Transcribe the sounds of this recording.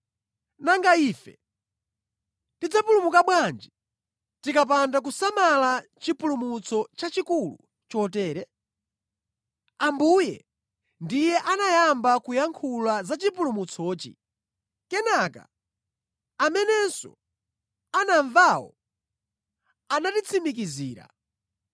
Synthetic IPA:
naŋɡaiːfɛ̰ | tid͡zapulumukaɓwand͡ʒɛ | tikap̬andak̬usamalat͡ʃipulumut͡sʰɔt͡ʃat͡ʃikulṵ | t͡ʃɔt̬ɛːɾɛ | ambujɛ̰ | ndijɛʔanajambakujaŋkʰulazat͡ʃipulumut͡sʰɔːt͡ʃḭ | kɛnaka̰ | amɛnɛnsɔ̰ | anaɱvawɔ̰ | anatit͡sʰimik̬iziːɾa̰

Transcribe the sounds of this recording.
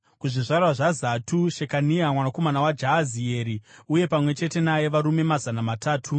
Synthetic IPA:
kuʐiʐarwaʐazatʰuʃekaniamwanakomanawad͡ʒaːzieːɾiuje̞pamwe̞t͡ʃe̞te̞naje̞ʋaɾume̞mazanamatʰaːtʰu

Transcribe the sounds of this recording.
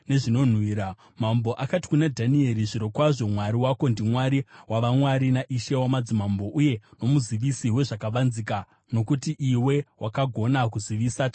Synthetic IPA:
ne̞ʐino̞n̤wiːɾa | mambo̞ʔakati̥kunadʱanie̞ɾiʐiɾo̞kwaʐo̞mwaɾiwako̞ndimwaɾiwʔaʋamwaɾinaʔiʃe̞wamad͡zimambo̞ʔuje̞no̞muziʋisiwe̞ʐakaʋanzika | no̞kutiʔiwe̞wʔakaɡʱo̞nakuziʋisat͡ʃa

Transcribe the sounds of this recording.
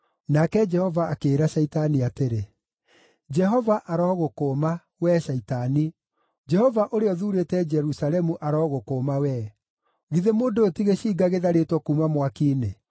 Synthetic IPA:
nakɛd͡ʒɛhɔvaːkeːɾaʃaitaniateɾe | d͡ʒɛɦɔvaʔaɾɔːɣokoːma | wɛːʃaitani | d͡ʒɛhɔvaʔoɾeɔðuːɾetɛd͡ʒɛɾusalɛmuʔaɾɔɣokoːmawɛ | ɣiðemoːndoːtiɣeɕiːɡaɣeðaɾetwɔkuːmamwakiːne

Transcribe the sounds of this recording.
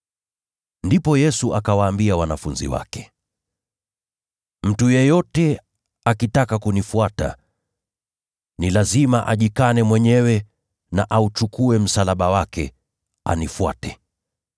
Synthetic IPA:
ndipɔjɛsuʔakawaːmbiawanafunzḭwa̰kɛ̥ | m̩tujɛjɔtɛ | akitakakunifuata̰ | nilazimaʔaʄikanɛmwɛɲɛwɛ | na̰ʔaut͡ʃukuɛm̩salaɓawakɛ | a̰nifua̰tɛ

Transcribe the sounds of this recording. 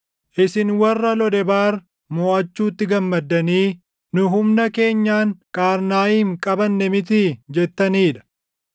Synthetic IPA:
ʔɪsɪnwɐrːɐlɔd̪ɛbaːɾ | mɔːʔɐt͡ʃːuːt̪ːɪɡɐmːɐd̪ːɐniː | nʊɦʊmnɐke̞ːɲːaːŋkʼaːɾnaːjiːŋkʼɐbɐnːɛmɪt̪id͡ʒɛt̪ːɐniːᶑ̪ɐ̥

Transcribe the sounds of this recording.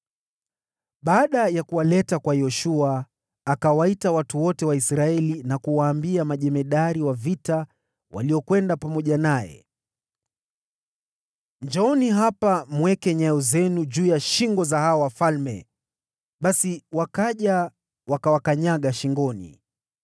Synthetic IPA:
ɓaːɗajakuwalɛtakwajɔʃuaː | kawaitawatuwɔtɛwaisɾaɛlinakuwaːmbiamaʄɛmɛɗaɾiwavita | wa̰liɔkwɛndapamɔʄanajɛ̰ | ɲd͡ʒɔɔniɦapamwɛkɛɲaɔzɛnuʄuːjaʃiŋɡɔzaɦaɔwafalmɛ̰ | ɓasiwakaʄa | wakawakaɲaɠaʃiŋɡɔnḭ

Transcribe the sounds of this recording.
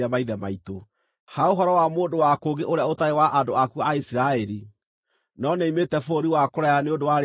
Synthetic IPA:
amaiðɛmaito | haoɦɔɾɔwamoːndowakoɡeʔoɾeaotaewaʔandoakuaisiɾaɛɾi | nɔneimetɛfoɾiwakoɾajaneondowaɾ

